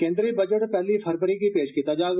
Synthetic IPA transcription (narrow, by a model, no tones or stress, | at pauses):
kẽːnd̪ɾibɐd͡ʒəʈpɛɦlifʰɐɾpəɾikipeːʃkit̪ad͡ʒaːɡ